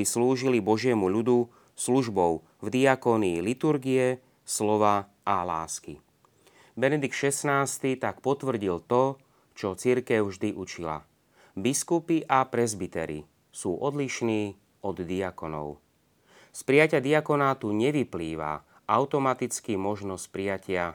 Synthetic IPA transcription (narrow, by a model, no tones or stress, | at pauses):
isluːʒilibɔʒɪɛmuʎud̪u | sluʒbɔʊ | vd̪iakɔniːlit̪uɾɡiɛ | slɔʋa | ʔala̰ːski | bɛnɛd̪ikt̪ʃɛsnaːst̪it̪akpɔt̪ʋr̩ɟilt̪ɔ | t͡ʃɔt͡siɾkɛʊʒd̪iʔut͡ʃila̰ | biskupiʔapɾɛzbit̪ɛ̰ɾḭ | suːʔɔd̪liʃniː | ɔd̪d̪iakɔnɔ̰ʊ | spɾijacɪad̪iakɔnaːt̪uɲɛʋipliːʋa̰ | ʔaʊt̪ɔmat̪it͡skimɔʒnɔsc̚pɾijacɪa